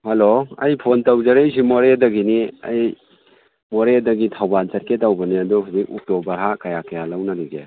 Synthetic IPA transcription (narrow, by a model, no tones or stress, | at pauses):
haloɐjpʰontawzɐɾejs̬imɔɾedɐɡinia̰j | mɔɾedɐɡitʰawbansɐɾketawbɐniadɔɦuzikɔk̚tobɐɾɦakajakɐjalawnaliɡe